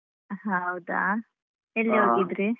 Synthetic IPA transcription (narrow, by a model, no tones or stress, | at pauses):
ɦaɐwd̪a̰ | elːiɦoːɡid̪ɾi